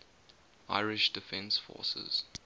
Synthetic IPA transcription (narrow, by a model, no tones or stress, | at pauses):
ʔaɪɹɪʃd̥ɪfɛ̃nsfɔ̰ːsə̰z̥